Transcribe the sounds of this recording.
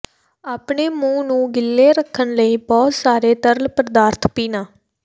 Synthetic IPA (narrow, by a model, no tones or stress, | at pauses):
aːpɳeːmũːnũːɡɪlːeːɾəkʰːənləiːbɔːt̪saːɾeːt̪əɾlpəɾd̪aːɾt̪ʰpiːnaː